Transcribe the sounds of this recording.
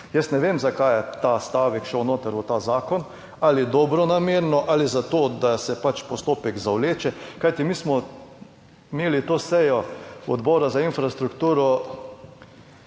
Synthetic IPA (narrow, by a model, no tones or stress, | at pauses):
jɛst̪nɛʋeːmzakajɛt̪aːst̪aːʋɛkʃɛwnoːt̪əɾut̪aːzaːkɔn | alid̪ɔbɾɔnameːɾnɔʔalizat̪oːd̪asɛpat͡ʃpɔst̪oːpɛɡzawleːt͡ʃɛkajt̪imiːsmɔ | imeːlit̪oːsɛjɔɔd̪bɔːɾazainfɾast̪ɾukt̪uːɾɔ